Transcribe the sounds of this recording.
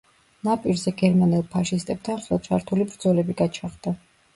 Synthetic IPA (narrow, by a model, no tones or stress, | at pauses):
napʼiɾzɛɡɛɾmanilˠpʰaʃist̪ʼɛb̥̚t̪ʰanχɛlˠt͡ʃʰaɾt̪ʰulibɾd̪zɔlɛbiɡat͡ʃʰaχd̪̥a